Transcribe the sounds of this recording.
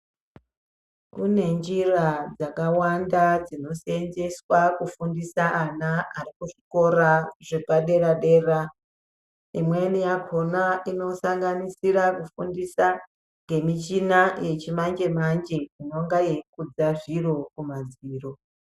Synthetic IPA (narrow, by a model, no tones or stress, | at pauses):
kune̞nd͡ʒirad͡zakawandad͡zino̞send͡ʒe̞swakufundisaʔːnaarikuʐiko̞ɾaʐepaɗe̞raɗe̞ra | imwe̞nijakʰo̞naino̞saŋɡanisirakufundisa | ŋɡe̞mit͡ʃinaje̞t͡ʃimaɲd͡ʒe̞maɲd͡ʒeino̞ŋɡaje̞kud͡zaʐiro̞kumad͡ziːro̞